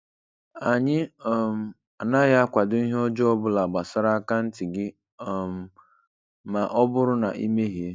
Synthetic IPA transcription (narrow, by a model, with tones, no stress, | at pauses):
a˨ɲɪ˦ɔ˨m̩˨ | a˨na˦ja˦a˦kʷa˨dʊ˦i˦ɦe˦ɔ˦d͡ʒɔ˦ɔ˦bʊ˦la˨ɡ͡ba˨sa˦ɾa˦a˦ka˦n̩˦tɪ˨ɡɪ˦˨ | m̩˨ | ma˨ʔɔ˦bʊ˦ɾʊ˦na̰˨ʔḭ˦me˦ɦi˨e˦